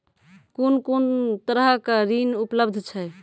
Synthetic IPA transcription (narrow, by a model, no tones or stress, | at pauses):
konkont̪əɾəɦkeɾinupləbd̪ʱt͡ʃʰɛ